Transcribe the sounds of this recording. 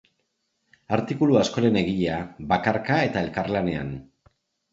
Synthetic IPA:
aɾt̪ikuluasko̞ɾe̞ne̞ɣiʎe̞aβakaɾkae̞t̪ae̞lkarlane̞a̰n

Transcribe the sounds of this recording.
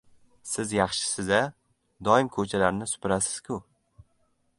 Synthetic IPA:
sɪzjɑχʃɪ̥sɪza | d̪ɒɪmkʰɵt͡ʃʰalaɾnɪsʊ̥pɪɾasɪ̥z̥kʲʰʊ

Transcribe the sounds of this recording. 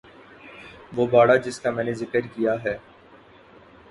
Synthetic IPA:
ʋoːbaːɽad͡ʒɪskamɛ̃ːnezɪkəɾkijaɦɛː

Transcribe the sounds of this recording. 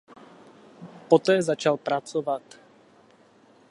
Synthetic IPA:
pot̪ɛːzat͡ʃalpɾat͡sovat̪

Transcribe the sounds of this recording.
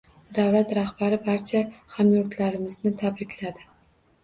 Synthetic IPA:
d̪awlat̪ɾahbaɾɪbaɾt͡ʃʰahamjʊɾt̪laɾɪmɪznɪt̪ʰabɾɪkʲʰlad̪ɪ

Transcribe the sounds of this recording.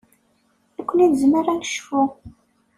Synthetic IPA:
ækʷːəniðzməɾænʃfʊ

